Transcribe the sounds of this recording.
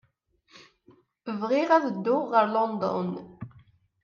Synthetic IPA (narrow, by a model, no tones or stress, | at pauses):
əvʁɪʁæðəd̪ːʊːəɾlɔnd̪ɔ̰n